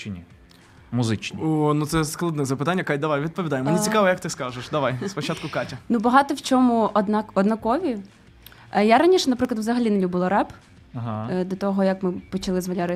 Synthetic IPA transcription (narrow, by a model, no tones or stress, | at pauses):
t͡ʃnʲi | mʊzɪt͡ʃnʲiɔnut̪sɛsklˠɐd̪nɛzɐpɨɪt̪anʲːɐkat̚ʲd̪ɐʋajʋʲid̪̚pɔʋʲid̪ɑjemɔnʲit͡sʲikɑʋɔjɐkt̪ɪskaʒeʃd̪ɐʋajspɔt͡ʃat̪̚kʊkatʲɐnubɐɦɑt̪ɔwt͡ʃʲɔmʊɔd̪nɑkɔd̪nɐkɔʋʲi | jaɾɐnʲiʃɛnɐpɾɪklˠd̪ʋzɐɦɐlʲinelʲubɪlˠɐɾɛp | ɦd̪ɔt̪ɔɦɔjɐkmɪpɔt͡ʃɐlˠɪzmɐlʲaɾɪ